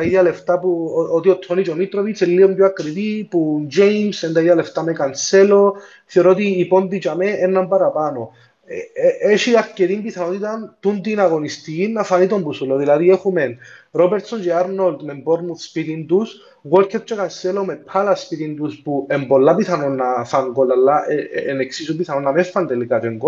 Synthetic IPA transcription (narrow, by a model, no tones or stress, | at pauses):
aiðaleft̪apuot̪iot̪ʰːonit͡ʃomit̪ɾovit͡selːiomɟoakɾit̪ipund͡ʒejmsend̪aiðale̞ft̪amekanselo̞ | θioɾot̪̬iːponðit͡ʃameenːampaɾapano | eʃiaɾceɾimbiθanot̪it̪ant̪und̪inaɣo̞nist̪iinːafanit̪o̞mbusuloðilaðiexumenɾobeɾt̪sond͡ʒeaɾnold̪memboɾmuθspit̪ind̪us | ɣwolkʰːeɾt͡ʃːekanselo̞mepʰalaspit̪ind̪uspuembo̞lːapiθanonːafaŋɡolːalːaʔeeneksisubiθanonːamefːand̪elikat͡ʃeŋɡo